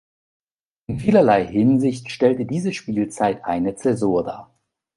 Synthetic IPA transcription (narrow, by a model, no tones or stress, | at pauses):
ʔɪnfiːlɐlaɪhɪnzɪçtʃtɛltədiːzəʃpiːlt͡saɪtʰʔa̰ɪnət͡sɛzuːɐda̰ːɐ